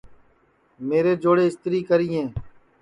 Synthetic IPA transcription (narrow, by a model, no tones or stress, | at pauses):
meːɾeːd͡ʒoːɽeːɪst̪ɾiːkəɾiːẽː